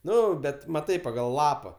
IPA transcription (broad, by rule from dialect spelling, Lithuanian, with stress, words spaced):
ˈnʊ ˈbʲɛt mɐˈtɐɪ pɐɡɐlˠ ˈlˠɑːpɐ